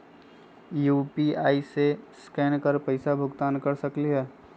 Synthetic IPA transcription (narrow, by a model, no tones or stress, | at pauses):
juːpiaːiseskɛːnkəɾpəɪsabʱʊɡt̪aːnkəɾsəkliɦɛː